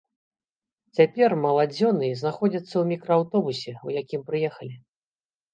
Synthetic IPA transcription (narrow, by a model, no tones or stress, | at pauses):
t͡sʲapʲɛrmɐlˠad͡zʲɔnɨznaxɔd͡zʲɐt̪sːɐwmʲikɾɔawt̪ɔbusʲɛujakʲimpɾɨjɛxɐlʲi